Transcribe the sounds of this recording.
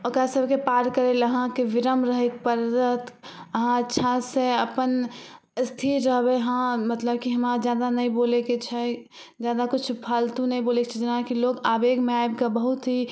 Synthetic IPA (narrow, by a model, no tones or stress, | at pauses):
ɔkasəbkepaːɾkəɾeləɦãkeʋɪɾəmɾəɦek̚pəɾɾət̪əɦãətːʃʰãseəpən | st̪ʰiɾɾəɦbeɦãmət̪ləbkiɦəmad͡ʒjaːd̪anɐĩboːleket͡ʃʰɛ | d͡ʒjaːd̪akʊt͡ʃʰpʰaːlt̪ũnəɦĩboːlekt͡ʃʰɛd͡ʒɪnãkiloːɡaːbeːɡmẽaːebkabəɦut̪ɦi